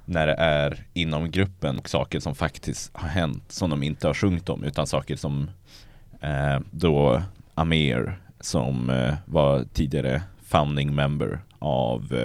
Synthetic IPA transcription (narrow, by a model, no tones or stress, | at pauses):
næɖɛʔæɾɪnːɔmɡɾɵpːənɔksɑ̰ːkəʂɔmfakt̪ʰɪst̪haɾɦɛnt̪sɔmd̪ɔmɪnt̪əhaɾɧɵŋːt̪ɔ̰mʔʉ̟ːt̪ansɑːkəʂɔm | d̪ɔʔamɪ̰ɾsɔ̰mvat̪ʰiːd̪ɪɡaɾə̰ | faʊnd̪ɪŋmɛmbə̰ɾ | ʔa̰v